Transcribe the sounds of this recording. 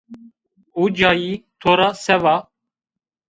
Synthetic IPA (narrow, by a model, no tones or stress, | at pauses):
uːd͡ʒɑːjiːt̪ʰoːɾɑːsɛvɑ